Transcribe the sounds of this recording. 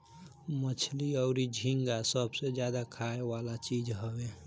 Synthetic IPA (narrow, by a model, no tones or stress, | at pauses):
mət͡ʃʰliəʊɾid͡ʒʱiŋɡasəbsed͡ʒjad̪akʰaewalat͡ʃid͡ʒɦəbe